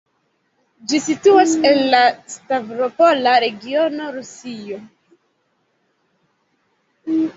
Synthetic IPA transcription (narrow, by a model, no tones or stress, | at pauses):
d͡ʒisituase̞nlastavɾo̞po̞laɾe̞ɡio̞no̞ɾusio̞